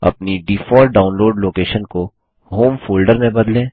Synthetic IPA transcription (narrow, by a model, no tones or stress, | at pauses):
ɐ̰pniɖiːfɔːɖɖaːʊnloːɖloːkeːʃənko | ɦoːmfoːlɖəɾmẽbɐd̪lẽː